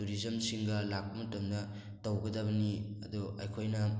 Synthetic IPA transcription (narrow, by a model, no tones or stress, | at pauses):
tuɾizɐmsiŋɡɐlak̚pɐmɐtɐmnɐ | tɐwɡɐdɐβɐniɐ̰d̪uɐ̰jkʰojnɐ